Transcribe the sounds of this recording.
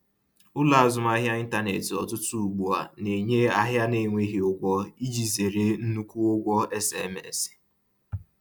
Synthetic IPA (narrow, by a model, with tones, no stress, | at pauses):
ʊ˦la˨a˨zʊ˨m˦a˦ɦja˦i˦n̩˦ta˦ne˨tɪ˨ɔ˨tʊ˦tu˦u˨ɡ͡bu˨a˨ne˨ɲe˦a˦ɦja˦ne˨ŋʷe˦ɦi˨ʊ˦ɡʷɔ˦i˦d͡ʒi˨ze˨ɾe˦n̩˦nu˦kʷu˦ʊ˦ɡʷɔ˦ɛ˦sɛ˨˦mḛ˦˨sɪ̥˨